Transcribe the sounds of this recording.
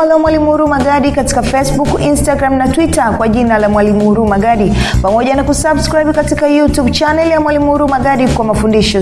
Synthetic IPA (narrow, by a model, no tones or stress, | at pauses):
alamwalimuɾumaɡaɗikati̥kafɛsɓukinstaɡɾamnatwitakwaʄinalamwalimuɾumaɡaɗipamɔʄanakusabskɾajbkatikajutubt͡ʃanɛljamwalimuɾumaɡaɗikwamafundiʃɔ